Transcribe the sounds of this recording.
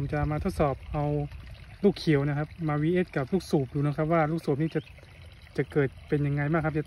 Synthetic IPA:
mt͡ɕa˨˩maː˧t̪ʰo˦˥t̪̚sɔː˨˩p̚ʔa˧wpuː˥˩kʰi˨˩˦wna˦˥kʰa˦˥p̚maː˧wiː˦˥ʔeː˦˥˩t̪̚ka˨˩p̚luː˥˩k̚suː˨˩p̚duː˧n˦˥kʰa˦˥p̚waː˥˩luː˥˩k̚suː˨˩p̚niː˥˩t͡ɕa˨˩ | t͡ɕa˨˩kɤː˨˩t̪̚pe˧nja˧ŋːa˧jmaː˥˩k̚ʰːt͡ɕa˨

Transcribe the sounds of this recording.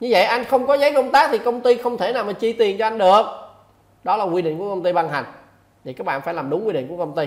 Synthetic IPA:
ɲɨ˧və̰˧˨jʔa˧jŋ̟xə˧wŋ͡mkɔ˨˦zə˨˦jkə˧wŋ͡mt̪aː˨˦˥k̚t̪ʰi˨˩kə˧wŋ͡mt̪i˧xə˧wŋ͡mt̪ʰe˧˩naː˨˩wmaː˨˩t͡ɕi˧˨t̪i˨˩ənt͡ɕɔ˧ʔa˧ŋ̟ɗɨ˨˩ək̚ | ɗɔ˨˦laː˨˩kwi˧ɗḭ˧˨ŋku˧˩kə˧wŋ͡mt̪i˧ɓa˧nɦa˨˩jŋ̟ | t̪ʰi˨˩kaː˦˥k̚ɓa̰ː˧˨fːjlaː˨˩mɗʊ˨˦ŋ͡mkwi˧ɗḭ˧˨ŋ̟ku˧˩əkə˧ŋ͡mt̪i˧

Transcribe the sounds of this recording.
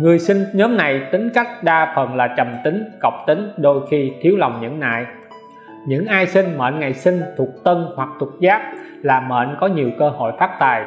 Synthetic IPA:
ŋɨ˨˩əjsï˧ŋ̟ɲɔ˨˦mna˨˩jt̪ï˨˦ŋ̟ka˦˥jk̟̚ɗaː˧fə˨˩nlaː˨˩t͡ɕə˨˩mt̪ï˨˦ŋ̟kə˨˩wŋ͡m̚t̪ï˨˦ŋ̟ɗo˧jxi˧t̪ʰi˨˦əwla˨˩wŋ͡mɲɨ̰˧˥ŋna̰ː˧˨j | ɲɨ̰˧˥ŋʔaː˧jsï˧ŋ̟mə̰ː˧˨nŋa˨˩jsï˧ŋ̟t̪ʰu˨˩ək̚t̪ə˧nhwa˨˩k̚t̪ʰʊ˨˩t̚zaː˦˥p̚ | laː˨˩mə̰ː˧˨nkɔ˨˦ɲi˨˩əwkəː˧ho̰˧˨jfaː˦˥t̚t̪aː˨˩j

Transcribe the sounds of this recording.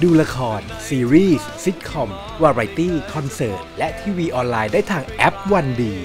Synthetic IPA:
duː˧la˧kʰɔː˧n | siː˧ɾiː˥˩ssi˦˥t̪̚kʰɔ˧m | waː˧ɾa˧jt̪iː˥˩kʰɔ˧nsɤː˨˩t̪̚lɛ˦˥ʔt̪ʰiː˧wiː˧ʔɔː˧nlaː˧jdaː˥˩jt̪ʰaː˧ŋʔɛ˦˥p̚wa˧ndiː˧

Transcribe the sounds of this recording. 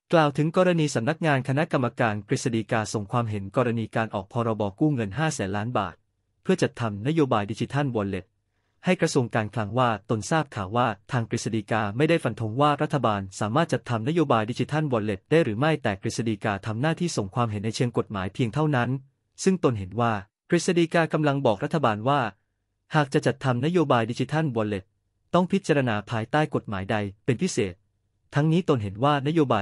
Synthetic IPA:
klaː˨˩wt̪ʰɯ˩˦ŋkɔː˧ɾa˧niː˧sa˨˩˦mna˦˥k̚ŋaː˧nkʰa˧na˦˥ʔka˧mːa˧kaː˧nkɾi˨˩sa˧diː˧kaː˧so˨˩ŋkʰwaː˧mɦe˩˦nkɔː˧ɾa˧niː˧kaː˧nʔɔ̰ː˨˩k̚pʰɔː˧ɾɔː˧bɔː˧kuː˥˩ŋɤ˧nɦaː˥˩sɛː˩˦nlaː˦˥nba̰ː˨˩t̪̚ | pʰɯ˥˩ɐt͡ɕa˨˩t̪ʰːa˧mna˦˥joː˧baː˧jdiː˧t͡ɕi˧t̪ʰa˥˩nwɔː˧nle˨˩t̪̚ | ha˥˩jkɾa˧su˧əŋkaː˧nkʰla˧ŋwaː˥˩t̪o˧nsaː˥˩p̚kʰaː˨˩waː˥˩t̪ʰaː˧ŋkɾi˨˩sa˧diː˧kaː˧ma˥˩jda˥˩jfa˧nt̪ʰo˦˥ŋwaː˥˩ɾa˦˥t̪ʰːa˧baː˧nsaː˩˦maː˥˩t͡ɕa˨˩t̪ʰːa˧mna˥joː˧baː˧jdiː˧t͡ɕʰi˧t̪ʰa˥˩nwɔː˧le˨˩t̪̚daː˥˩jɾɯː˩˦ma˥˩jt̪ɛː˨˩kɾi˦˩sa˧diː˧kaː˧t̪ʰa˧mnaː˥˩t̪ʰiː˥˩so˨˩ŋkʰwaː˧mɦe˩˦nːa˧jt͡ɕʰi˧əŋko˨˩t̪̚ma̰ː˩˦jpʰi˧əŋt̪ʰa˥˩wna˦˥n | sɯ˥˩ŋt̪o˧nɦe˩˦nwaː˥˩ | kɾi˨˩sa˧diː˧kaː˧ka˧mla˧ŋbɔː˨˩k̚ɾa˦˥t̪ʰːa˧baː˧nwaː˥˩ | haː˨˩k̚t͡ɕa˨˩t͡ɕa˨˩t̪ʰːa˧mna˦˥joː˧baː˧jdi˧t͡ɕʰi˧t̪ʰa˥˩nwɔ˨˧le˨˩t̪̚ː | ɔ˥˩ŋpʰi˦˥t̪̚t͡ɕa˧ɾa˧naː˧pʰaː˧jt̪aː˥˩jko˨˩t̪̚maː˩˦jda˧jpe˧npʰi˦˥seː˨˩t̪̚ʰː | a˦˥ŋniː˦˥t̪o˧nɦe˩˦nwaː˥˩na˦˥joː˧baː˧

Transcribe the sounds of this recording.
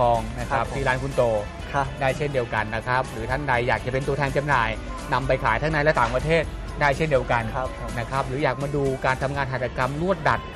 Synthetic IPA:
ɔː˧ŋna˦˥kʰp̪̚ʰiː˧aː˦˥nkʰu˧nt̪oː˧ | daː˥˩jt͡ɕʰe˥˩ndi˧əwka˧nːa˦˥kʰɾa˦˥p̚ɾɯː˩˦t̪ʰa˦˥˩ŋda˧jːaː˨˩k̚t͡ɕa˨˩pe˧nt̪u˧t̪ʰɛː˧nt͡ɕa˧mnaː˨˩j | na˧mpa˧jkʰaː˩˦jt̪ʰa˥ŋna˧jlɛ˦˥t̪aː˨˩˦ŋpɾa˧t̪ʰeː˥˩t̪̚ | daː˥˩jt͡ɕʰe˥ndi˧əwka˧n | na˦˥kʰɾa˦˥p̚ɾɯː˩˦jaː˨˩k̚maː˧duː˧kaː˧nt̪ʰa˧mŋaː˧nɦaː˨˩t̪̚ʰːa˧ka˧mɾu˥˩ət̪̚da˨˩t̪̚

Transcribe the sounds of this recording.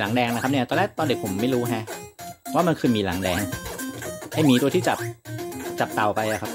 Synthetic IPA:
la˩˦ŋdɛː˧ŋna˦˥kʰa˦p̚ni˥˩t̪ɔː˧lɛː˦˥t̪ɔː˧nde˨˩pʰo˩˦mːa˥˩jɾuː˦˥ɦɛ˦˥ʔwaː˥˩ma˧nkʰɯː˧miː˧la̰˩˦ŋdɛː˧ŋ | ha˥˩jmiː˧t̪u˧ət̪ʰiː˥˩t͡ɕa˨˩p̚t͡ɕa˨˩p̚t̪a˨˩wpa˧jla˨˩kʰa˦˥p̚

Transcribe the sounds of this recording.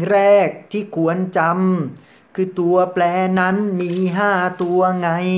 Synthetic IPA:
ɾɛː˥˩k̚t̪ʰiː˥˩kʰu˨˩˦ənt͡ɕa˧m | kʰɯː˧t̪u˧ɐplɛː˧na˦˥nmiː˧ɦaː˥˩t̪u˧ɐŋa˧j

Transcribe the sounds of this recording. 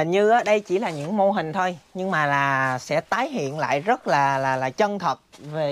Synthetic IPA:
ɲɨ˧ʔaː˨˧˦ɗə˧jt͡ɕi˧˩laː˨˩ɲɨ̰˧˥ŋmo˧ɦï˨˩ŋ̟t̪ʰo˧jɲɨ˧ŋmaː˨˩laː˨˩sɛ̰˧˥t̪aː˨˦jɦḭ˧˨ənla̰ː˧˨jzə˦˥t̚laː˨˩laː˨˩laː˨˩t͡ɕə˧nt̪ʰə˨˩t̚ve˨˩

